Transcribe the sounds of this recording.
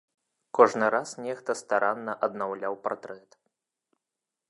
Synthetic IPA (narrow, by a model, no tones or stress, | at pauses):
kɔʐnɨɾasnʲɛxt̪ɐst̪aɾanːɐʔɐd̪nawlʲawpart̪ɾɛt̪